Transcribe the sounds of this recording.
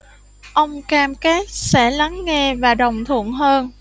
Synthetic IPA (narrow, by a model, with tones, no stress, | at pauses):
ʔə˧wŋ͡mkaː˧mke˦˥t̚sɛ̰˧˥la˨˦ŋːɛ˧vaː˨˩ɗə˨˩wŋ͡mt̪ʰɨ̰˧˨ənɦəː˧n